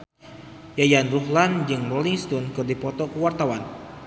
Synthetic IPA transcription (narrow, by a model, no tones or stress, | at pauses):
jajanruhland͡ʒɨŋrɔliŋst̪ɔnkɨrdipɔt̪ɔkəwart̪awan